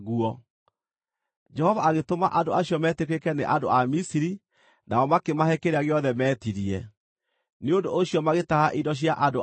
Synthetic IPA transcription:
ɣuɔ | d͡ʒɛhɔvaːɣetomaʔandoaɕjɔmɛtekwekɛneʔandoamisiɾi | naɔmakemahɛkeɾeaɣeɔðɛmɛːtiɾiɛ | neondoʔoɕiɔmaɣetahaʔidɔɕ̬jaʔado

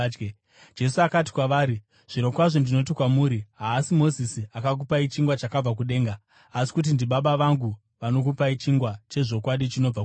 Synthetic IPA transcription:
d͡ʒe̞suakat̬i̥kwaʋaːɾi | ʐ̥iɾokwaʐondino̞t̬ikwamuːɾiɦaːsimo̞zisiakak̬upait͡ʃiŋɡwat͡ʃakab͡vak̬uɗe̞ːŋɡaː | si̥kut̬indiɓaɓaʋaŋɡu | ʋano̞k̬upait͡ʃiŋɡwat͡ʃe̞ʐo̞kwaɗit͡ʃino̞b͡va

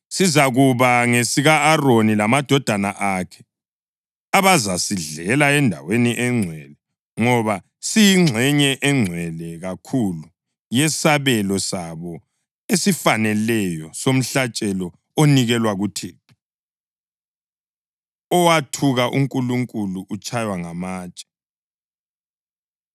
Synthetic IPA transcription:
sizaɣuβaŋesiɣaːronilamad̥ʱɔd̥ʱanaʔakʰɛ̥ | aβazasiɮɛlaɛndʱa̰weniʔɛŋ͡ǀʱwɛlɛ | ŋɔβa | sijiŋ͡ǁʱɛɲɛʔɛŋ͡ǀʱwɛlɛɣakʰulu | jɛsaβɛlɔsaβɔ | esifanɛlɛjɔsom̩ɬat͡ʃʼɛlɔ | oniɣɛlwaɣutʰiː | ɔwatʰuɣaʔuŋkʼuluŋkʼuluʔut͡ʃʼajwaŋamaːt͡ʃʼɛ̥

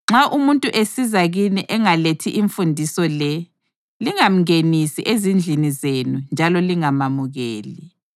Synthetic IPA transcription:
ŋ͡ǁaʔumuntʼuʔesizaɣiniʔɛŋaletʰiʔiɱfundʱisɔlɛ | liŋam̩ŋenisiʔezind͡ɮʱinizenund͡ʒʱalɔliŋamamuɣḛːli

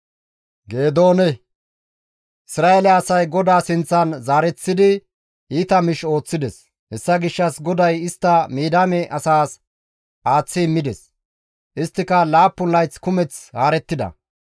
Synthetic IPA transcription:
ɡe̞ːd̪o̞ːnɛ | ʔɪsɾaːɛlɛɐsɐjɡɔd̪aːsɪnt͡sːɐnzaːɾɛt͡sːɪd̪ɪ | ʔiːt̪ɐmɪʃo̞ːt͡sːɪd̪ɛs | hɛsːɐɡɪʃːɐsɡɔd̪ɐjɪst̪ːɐmiːd̪aːmɛʔɐsaːs | ʔaːt͡sːɪɪmːɪd̪ɛs | ʔɪst̪ːɪkɐlaːpːʊnlɐjt͡skʊmɛt͡shaːɾɛt̪ːɪd̪ɐ̰

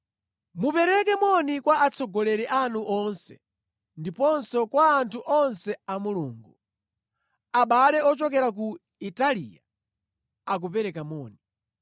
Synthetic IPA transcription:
mupɛɾɛkɛmɔnikwaat͡sʰɔɡɔlɛɾɛʔanuʔɔnsɛ̰ | ndipɔnsɔkwaːntʰuʔɔnsɛamuluːŋɡu | aɓalɛɔt͡ʃɔk̬ɛɾak̬u | italḭja | ak̬upɛɾɛkamɔːni

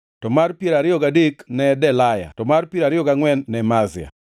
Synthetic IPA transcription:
tɔmarpjeɾaɾɪɔɡadeknɛdɛlaja̰tɔmarpjeɾaɾɪjɔɡaŋwɛnːɛmazɪa̰

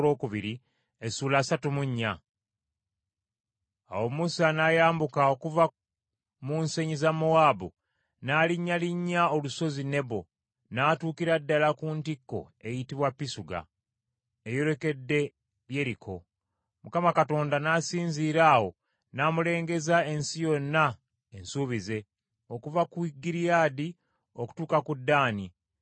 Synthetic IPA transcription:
lo̞ːkuβiɾi | esuːlaːsatumuɲːa | a̰wo̞musanaːjaːmbukao̞kuva | muːnse̞ɲizamoaːbu | naːliɲːaliɲːao̞luso̞zine̞βo̞̰ | naːtuːkiɾadːalakuntikːo̞̰e̞jitiβwapːisuɡa̰ | ejo̞ɾe̞ke̞dːe̞ | ɾje̞ɾikʰo̞ | mukamakato̞ːndanaːsiːnziːɾaːwo̞ | naːmule̞ːŋɡe̞zae̞nsijo̞nːa | ensuːβize̞ | o̞kuvakuiɡiɾijaːdi | oku̥tuːkakudːaːni

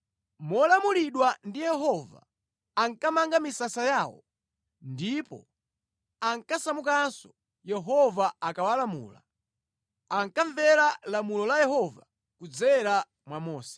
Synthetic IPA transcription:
mɔlamuliɗwandijɛɦɔva̰ | aŋkamaŋɡamisasajaːwɔ̰ | ndipɔ̰ | aŋkasamukansɔ̥ | jɛɦɔvaakawalamṵːla̰ | aŋkaɱvɛɾalamulɔlajɛɦɔva̰ | kud͡zɛɾa | mwamɔːsɛ̥

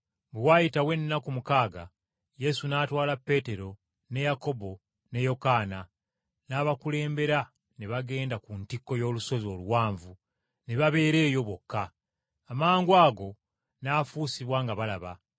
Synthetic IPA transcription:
bewaːjitawe̞nːakumukaːɡa̰ | je̞sunaːtwaːlapːe̞te̞ɾo̞ | ne̞jako̞bo̞ | ne̞jo̞kaːna | naːβakule̞ːmbe̞ɾa | neβaɡe̞ːndakuntikːo̞jo̞ːluso̞zo̞ːluwaːɱvu | ne̞βaβe̞ːɾe̞ːjo̞βwo̞kːaː | maːŋɡwaːɡo̞ | naːfuːsiβwaːŋɡaβalaβa̰

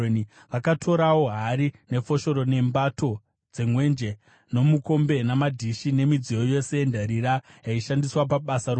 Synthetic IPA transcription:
ni | ʋakatʰo̞ɾawo̞ɦaɾine̞fo̞ʃo̞ɾo̞ne̞mbato̞ | d͡ze̞ŋwe̞nd͡ʒe̞ | no̞muko̞mbe̞namadʱiʃine̞mid͡zijojo̞se̞jendaɾiɾajaiʃandiswapaɓasaɾo

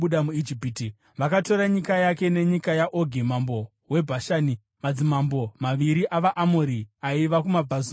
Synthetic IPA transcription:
uɗamuid͡ʒipiːti | ʋakato̞ɾaɲikajake̞ne̞ɲikajaʔoɡʱimambo | we̞bʱaʃaːni | mad͡zimambo̞maʋiɾiʔaʋaʔamoɾiaiʋakumab͡vʱazo

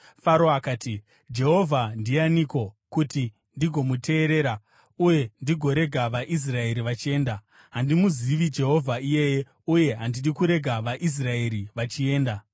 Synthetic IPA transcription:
faɾoakaːti | d͡ʒe̞ɦo̞vʱandijaniko̞kuti | ndiɡʱo̞mute̞ːɾe̞ɾa | uje̞ndiɡʱo̞ɾe̞ɡʱaʋaʔis̬rae̞ɾiʋat͡ʃie̞ːnda | ɦandimuziʋid͡ʒe̞ɦo̞vʱaije̞je | uje̞ɦandirikuɾe̞ɡʱaʋaʔis̬rae̞ɾiʋat͡ʃie̞ːnda

